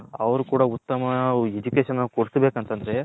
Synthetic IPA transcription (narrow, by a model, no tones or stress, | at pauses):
ɐʋɐɾukuːɽɐut̪ːɐmɐed͡ʒukeːʃɐnɐkoɽisbeːkɐnt̪ɐnd̪ɐɾe̞